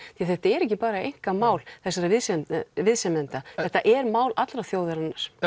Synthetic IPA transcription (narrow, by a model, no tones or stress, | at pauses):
θiaθɛht̪aɛɾɛhcɪpaːɾaejŋ̥kamaːwlθɛsaɾavɪðsɛvɪðsɛmɛnt̪aθɛht̪aʔɛɾmaːwlat̪lɾaθjoːwðɪɾanːaɾ̥